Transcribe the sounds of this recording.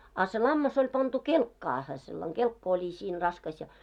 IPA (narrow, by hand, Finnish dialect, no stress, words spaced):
ɑ se lɑmːɑs olʲ pɑntu kelkːɑːhe selːɑŋ ɡ̊elkːɑ olʲi siːn rɑskɑs jɑ